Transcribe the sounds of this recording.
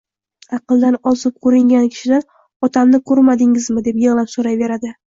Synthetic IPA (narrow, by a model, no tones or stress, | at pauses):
ɑqɨlˠd̪anɒzɪp̚kʰɵɾɪŋɡʲankʲʰɪ̥ʃɪd̪an | ɒt̪ʰamnɪkʰɵɾmad̪ɪŋɪzmɪd̪e̞pjeʁlˠansoɾajve̞ɾad̪ɪ